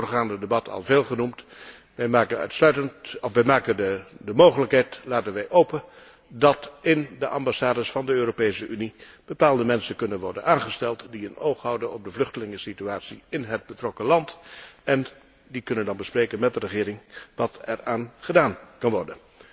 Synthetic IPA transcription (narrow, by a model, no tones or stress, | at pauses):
rχaːndədebɑtʰɑ̰lˠveːlˠχənumt | ʋɛjmaːkənœ̰tslœɥtəntɔfʋɛjmaːkənədəmowχələkɦɛjtlaːtənʋɛjʔowpə | dɑtɪndəʔɑmbɑsaːdəsfɑndəøːropejsəʔynib̥əpaːlˠdəmɛnsənkɵnənʋɔɹdə̰nʔaːnχəstɛlˠtdiənowχɦɑwdənɔb̚dəvlɵχtəlɪŋəsityaːtsiɪnɦəd̚bətrɔkəlɑntɛn | dikɵnəndɑnbəsprejkənmɛt̚dərəχɪːɾɪŋʋɑtɛraːnχədaːnkɑnʋɔrdən